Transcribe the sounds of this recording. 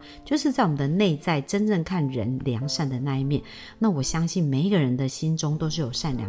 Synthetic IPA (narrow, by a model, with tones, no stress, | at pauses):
t͡ɕjo˥˧ʊʂ̬ɻ̩˥˧t͡sa˥˩ɪwɔ˨mə˩d̪ə˦ne˥˧ɪt͡sa˥˩ɪʈ͡ʂə˥˦nʈ͡ʂə˥˧ŋkʰa˥˩nɻə̰˧˦nljɑ˧˥˦ŋʂa˥˩nd̪ə˩na˥˧i˥˩mjɛ˥˩n | na˥˩wɔ˨˩ɕjɑ˥ŋɕi˥˩nme˨˩ɪi˧˥ɡə˨ɻə˧˦nd̪ə˨ɕi˥nʈ͡ʂʊ˥ŋt̪o˥ʊʂ̬ɻ̩˥˩jo˨˩ʊʂa˥˩nljɑ̰˨˦